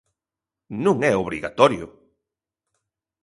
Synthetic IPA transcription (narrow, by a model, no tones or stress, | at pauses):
nũŋɛoβɾiɣa̰t̪ɔɾjʊ̰